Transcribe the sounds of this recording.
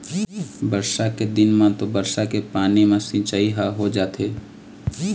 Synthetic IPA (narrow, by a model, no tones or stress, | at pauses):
bəɾʃaked̪ɪnmãt̪obəɾʃakepaːnimãsɪ̃t͡ʃaːiɦaɦod͡ʒaːt̪eː